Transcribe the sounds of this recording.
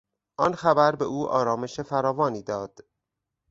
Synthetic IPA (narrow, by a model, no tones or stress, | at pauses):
ʔɒnxæbæɾbe̞ʔuːʔɒ̰ːɾɒːme̞ʃefæɾɒːvɒːniːd̪ɒːd̪̥